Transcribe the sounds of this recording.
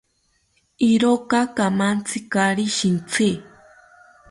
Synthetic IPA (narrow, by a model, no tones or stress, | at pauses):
iɾokakamant͡sʰikaɾiʃint͡sʰi